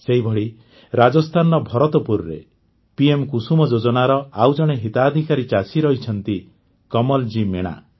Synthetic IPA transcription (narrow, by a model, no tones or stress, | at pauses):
seɦibʱɔɽi | ɾad͡ʒɔst̪ʰanɔbʱɔɾɔt̪ɔpuɾɾḛ | piemkusumɔd͡ʒod͡ʒɔnaɾɔawd͡ʒɔɽ̃eɦit̪aːd̪ʱikaɾit͡ʃasiɾɔɦit͡ʃʰɔnt̪i | kɔmɔld͡ʒimeɽ̃a̰